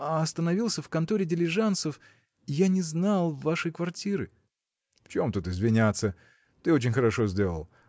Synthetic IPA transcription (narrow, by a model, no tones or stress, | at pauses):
aɐst̪ənɐvʲilˠsʲəfkɐnt̪oɾʲɪdʲɪlʲɪʐant̪səf | janʲɪznalˠvːaʂəjkvɐrtʲiɾɨ | ft͡ɕo̞mt̪ut̪ɪzvʲɪnʲat̪sːə | t̪ɨo̞t͡ɕɪnʲxəɾɐʂo̞zʲdʲe̞lˠə̰lˠ